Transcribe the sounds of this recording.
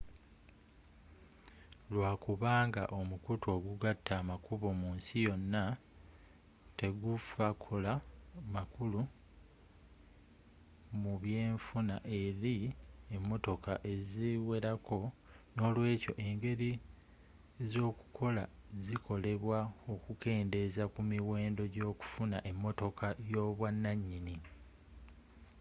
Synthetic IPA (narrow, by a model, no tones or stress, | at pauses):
lwaːkuβaːŋɡaʔo̞mukutʰo̞ːɡuɡatːaːmakuβo̞muːnsijo̞nːa | te̞ɡufakʰo̞lamakulu | muβje̞ːɱfunaʔe̞ɾiemːo̞to̞kaʔe̞ziwe̞ɾakʰo̞ | no̞ːlwe̞ːco̞̰ʔe̞ŋɡe̞ɾi | zo̞ːku̥kʰo̞lazikʰo̞le̞βwao̞kuke̞ːnde̞zakumiwe̞ːndo̞ɟo̞ːku̥funaʔe̞mːo̞to̞kʰajo̞ːβwanːaɲːini